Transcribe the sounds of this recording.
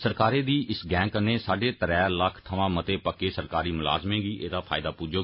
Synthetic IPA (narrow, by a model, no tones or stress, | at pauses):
səɾkaːɾeːd̪iːʔɪsɡɛ̃ːŋkəneːsaːɖeːt̪əɾɛːləkʰt̪ʰəʋãːmət̪eːpəkːeːsəɾkaːɾiːmʊla̰ːzmẽːɡiːʔeːd̪aːpʰa̰ːɪd̪aːpuːd͡ʒoː